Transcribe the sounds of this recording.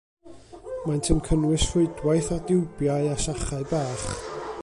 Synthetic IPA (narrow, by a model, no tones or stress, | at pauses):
majntʰɪmkʰənwɪsfʊɨdwajθadɪwbjaɨasaχaɨbaːχ